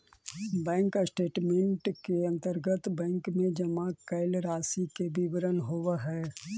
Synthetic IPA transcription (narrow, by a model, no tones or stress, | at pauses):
bɛ̃ːŋksʈeːʈmẽɳʈkeɐ̃nt̪əɾɡət̪bɛ̃ːŋkmẽd͡ʒəmakɐɪlɾaːsikebibəɾənɦoʋaɦɛː